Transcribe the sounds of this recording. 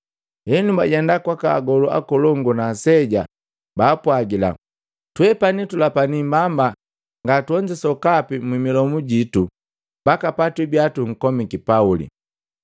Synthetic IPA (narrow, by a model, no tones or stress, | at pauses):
hɛɲumbaɟɛndakwakaɡɔlua̰kɔlɔŋɡunasɛɟa̰ | baːpwaɡila̰ | twɛpanitulapanimbamba | ŋɡatuɔɲd͡ʒɛsɔkapimwimilɔmuɟitu | mbakapatwibjatuŋ̩kɔmikipaulḭ